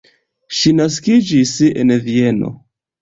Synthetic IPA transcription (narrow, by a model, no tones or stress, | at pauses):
ʃinaskid͡ʒisḛnvie̞no̞̰